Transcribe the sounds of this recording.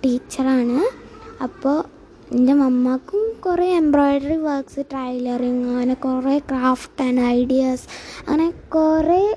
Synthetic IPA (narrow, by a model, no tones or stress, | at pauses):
ʈiːt͡ɕːɐɾaːɳɨɐpːoː | ind̪ɐmɐmːakːumkureembɾoːjɖɐɾiʋɐɾksɨʈɾɐjlɐɾiŋɐːnɐkurekɾaːfʈɐɳɖɐjɖijasɐ̰ːɐnakure